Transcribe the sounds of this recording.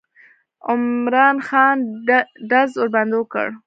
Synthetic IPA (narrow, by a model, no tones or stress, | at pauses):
ʊmɾɑnxɑnɖazoɾband̪okə̰ɽ